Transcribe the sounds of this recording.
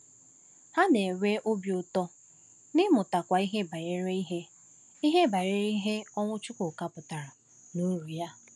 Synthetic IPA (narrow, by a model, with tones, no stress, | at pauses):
ha˦ne˨we˦ʔo˦bjʊ˨tɔ˦ | nɪ˦mʊ˨ta˨kʷa˨i˦ɦe˦ba˨je˦ɾe˦i˦ɦe˦ | i˦ɦe˦ba˨jɾe˦i˦ɦe˦ɔ˦ŋʷʊ˦t͡ʃʊ˦kʊ˨ka˦pʊ˨ta˨ɾa˨ | nu˦ɾu˨ja˦